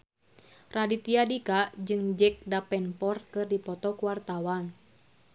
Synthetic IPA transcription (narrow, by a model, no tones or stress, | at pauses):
radit̪iadikad͡ʒɨŋd͡ʒɛk̚dapɛnpɔrkɨrdipɔt̪ɔkuwart̪awan